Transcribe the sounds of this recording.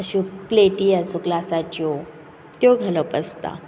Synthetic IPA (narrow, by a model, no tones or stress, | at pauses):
əɕupleʈiasuklasat͡ɕo | t̪joɡʱaləpəst̪a̰